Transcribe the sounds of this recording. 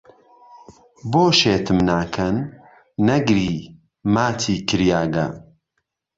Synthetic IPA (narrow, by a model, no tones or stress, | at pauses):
boːʃeːt̪ʰɨmnaːkʰɐnː | ɐɡɾiː | maːt̪ʰiːkʰɨɾjaːɡɐ̰